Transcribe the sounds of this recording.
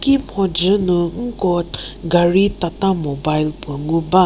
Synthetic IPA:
kimhɔd͡ʒənũŋ̩kɔtɡaɹitatamobajlpəŋuba

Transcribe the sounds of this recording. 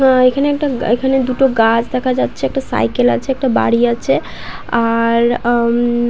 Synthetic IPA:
ekʰaneek̚ʈaekʰaned̪uʈoɡad͡ʒd̪ɛkʰad͡ʒat̪ːt͡ʃʰɛek̚ʈasa̰jkela̰t͡ʃʰɛek̚ʈaba̰ɽiat͡ʃʰɛ | aɾ

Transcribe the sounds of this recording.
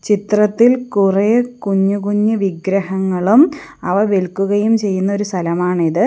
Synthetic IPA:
t͡ɕit̪rɐt̪ːilkureːkuɲːukuɲːɨʋiɡɾɐhɐŋːɐɭumɐʋɐʋeɭkːuɣɐjumt͡ɕe̞jːunːɐo̞ɾust̪ʰɐlɐmaːɳiðɨ

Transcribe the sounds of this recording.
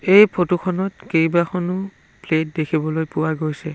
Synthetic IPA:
ejpʰotukʰɔnɔtkejbakɔnʊ | plet̚dekʰibɔlojpʊwaɡojsɛ

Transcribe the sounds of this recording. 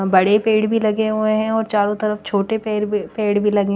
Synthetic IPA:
bɐɽepeːɽbʱilɐɡeɦʊẽɦɛ̃ɔːɾt͡ʃaːɾõt̪ɐɾəft͡ʃʰoːʈepeːpeːɽbʱilɐɡẽ

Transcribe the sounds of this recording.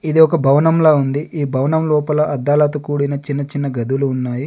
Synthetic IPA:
id̪iɔkɐbʱɐwɐnɐmloːund̪iʔiːbʱɐwnɐmlɔːpɐlɐʔɐd̪ːaːlɐt̪ukuːɽinɐt͡ʃinːɐt͡ʃinːɐɡɐd̪uluːnːaːji

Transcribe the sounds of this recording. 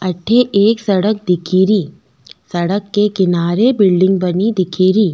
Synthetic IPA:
ɐʈʰːeʔeːksɐɽək̚d̪ɪkʰiːɾiː | sɐɽəkːekɪnaːɾebɪlɖɪ̃ŋɡ̚bɐnid̪ɪkʰiːɾiː

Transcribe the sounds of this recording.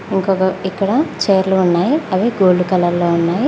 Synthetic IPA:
iŋkɔːkɐikːɐɽɐt͡ʃeːɐɾluunːaːjiɐʋeːɡoːlukɐlɐɾloːunːaːji

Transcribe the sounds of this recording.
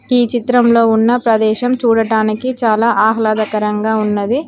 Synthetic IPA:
iːt͡ʃit̪ɾɐmlo̞ːunːɐpɾɐd̪ɛːʃɐmt͡ʃuːɽɐʈaːnikit͡ʃaːlaːʔaːɦɐlaːd̪ɐkɐɾɐŋɡaːunːɐd̪i

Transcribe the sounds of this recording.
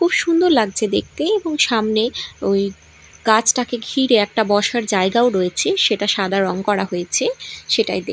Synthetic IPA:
kʰubʃund̪oɾlaɡ̚t͡ɕʰed̪ek̚t̪eeboŋʃamneoj | ɡat͡ɕʰʈakeɡʱiɾeɛk̚ʈabɔʃaɾd͡ʑaeɡaoɾojet͡ɕʰeʃeʈaʃad̪ʱaɾɔŋkɔɾaɦojet͡ɕʰeʃeʈajd̪e

